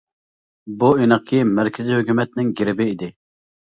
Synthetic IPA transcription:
buinəχ̚kʲʰimɛɾkʲʰɪzihøkʲymɛt̪̚nɪŋɡʲiɾɪbɪid̪ɪ

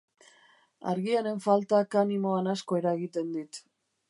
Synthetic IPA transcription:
a̰ɾɣiane̞ɱfalt̪akanimo̞anasko̞e̞ɾaeɣit̪e̞nd̪it̪

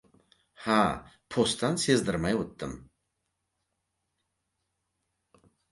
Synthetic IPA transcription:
hapʰost̪ːanse̞zd̪ɪɾmajwot̪ːɪm

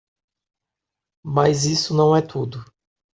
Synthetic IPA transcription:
majzisʊnɐ̃w̃ɛt̪ʰud̪ʊ

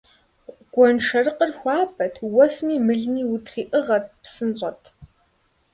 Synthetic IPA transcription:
ɡ̥ʷɔnʂɐrɨqərxʷɑːpʰʼɐtʰwɔsmiːmɨɮniːwutʰriːʔɨʁɐrpsɨnɕʼɐtʰ

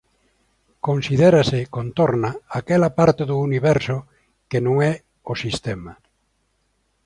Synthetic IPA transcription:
kõnsiðeɾasɪkont̪oɾnaakɛlapaɾt̪eðuːniβɛɾso | kenõŋɛ | osist̪ɛma

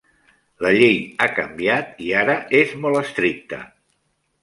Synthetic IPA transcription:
ləʎejakəmbiat̪iaɾəezmɔlˠəst̪ɾik̚t̪ə̰

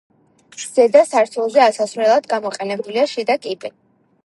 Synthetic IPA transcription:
z̥ɛd̪asaɾt̪ʰɛlˠzɛasasvɾɛlˠad̪ɡamɔqʼɛnɛbuliaʃid̪akʼibʼɛ

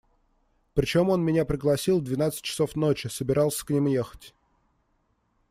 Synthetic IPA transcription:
pɾʲɪt͡ɕo̞mo̞nmʲɪnʲapɾʲɪɡlˠɐsʲilˠd̪vʲɪn̪at̪sɨ̥t̚ʲt͡ɕːɪ̥so̞fno̞t͡ɕɪsəbʲɪɾʔɑlˠsʲə̥knʲimujexə̥tʲ

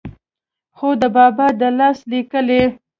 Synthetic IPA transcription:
xod̪əbɑbɑd̪əlɑslikəle

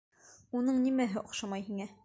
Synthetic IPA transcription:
unɤɴnimæɦɘʔŏqʃɑmɑjhiŋæ

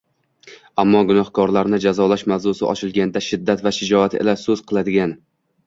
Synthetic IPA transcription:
amːɒɡʊnɒhkʰɒɾlaɾnɪd͡ʒazɒlaʃmavzʊsɪɒ̰t͡ʃʰɪlˠɡʲand̪aʃɪd̪ːat̪vaʃɪd͡ʒɒat̪ḛlasɵz̥qʰɨlˠad̪ɪɡʲan

